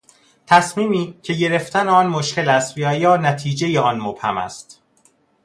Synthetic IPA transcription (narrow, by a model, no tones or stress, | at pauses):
t̪ʰæsmiːmiːcʰe̞ɟe̞ɾe̞ft̪æneɒːnmoʃce̞læst̪væjɒːnæt̪ʰiːd͡ʒe̞jeɒːnmob̥hæ̰mæ̰st̪